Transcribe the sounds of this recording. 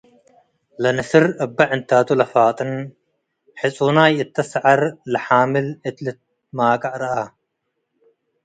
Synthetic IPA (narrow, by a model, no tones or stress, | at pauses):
lɐnɐsɪɾɐbːɐʕɪnt̪aːt̪ulɐfaːt̪ʼɨn | ħɪt͡sʼuːnaːjɪt̪ːɐsʕɐɾlɐħaːmɪlɪt̪lɪt̪̚ | maːkʼɐʔɾɐʔɐ